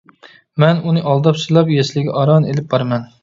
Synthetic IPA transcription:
mɛnunɨʔɑlˠd̪ɑpsɨlˠɑpjeslɪɡʲɛʔɑɾɑnelɪp̚bɑɾmɛn

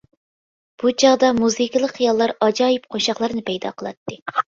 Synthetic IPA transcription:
b̥ut͡ʃʰɑʁd̪ɑmuzɨkʲlˠəqχijɑlˠːɑɾɑd͡ʒɑːjip̚qʰoʃɑχlˠɨɾɨnɨpʰɛjd̪ɑ̰qʰəlˠɑ̰t̪ːɨ

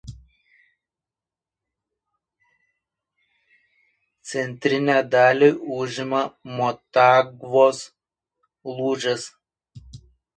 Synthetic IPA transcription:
t̪sʲɛnʲt̪ʲɾʲɪnʲæːd̪ɑːlʲiʔʊʒʲɪmɐmɔt̪ɑːɡʋoːs | lˠuːʒʲɛs

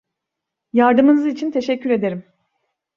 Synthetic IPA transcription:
jaɾd̪ɯmɯnɯzit͡ʃʰint̪ʰe̞ʃɛcːyɾe̞d̪e̞ɾim

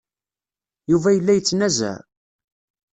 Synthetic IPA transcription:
juvæjəlːæjət͡sːnæzæ̰

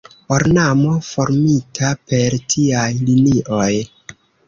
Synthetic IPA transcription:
oɾnamo̞fo̞ɾmitʰape̞ɾtʰiajliniʔoj

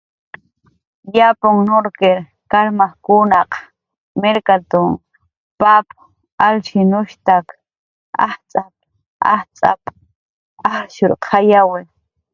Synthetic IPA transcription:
japʊŋnoɾkeɾ | kaɾmahkʊnaq | mɪɾkat̪ʊŋ | pap | alʃɪnʊʃt̪ak | a̰ht͡sʼap̚ | a̰ht͡sʼa̰pʼ | aɾʃʊɾqʰajawɪɾ

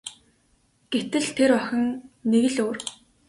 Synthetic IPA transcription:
ɡ̥et̪ɘ̆ɮt̪ʰeɾɔxʲɪ̆ŋneɣɘ̆ɮoːr

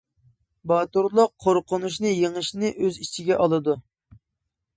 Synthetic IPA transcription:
bɑt̪uɾlˠʊqʰːoɾqʊnuʃ̬nɨjeŋɨʃnɨʔøzit͡ʃʰiɡʲɛʔɑlˠɨd̪u

